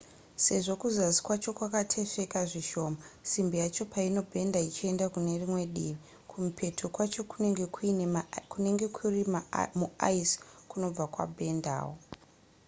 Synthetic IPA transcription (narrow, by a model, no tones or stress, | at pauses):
se̞ʐo̞kuzazi̥kwat͡ʃo̞kwakatʰe̞fe̞kaʐiʃo̞ːmasimbijat͡ʃo̞paino̞bʱe̞ndait͡ʃie̞ndakune̞rimwe̞ɗiːʋi | kʰumupʰe̞tʰokwat͡ʃo̞kuɡe̞kuinkune̞ŋɡe̞kʰurimamua̰iskuno̞b͡vakwa̰bʱe̞nda̰ːwo̞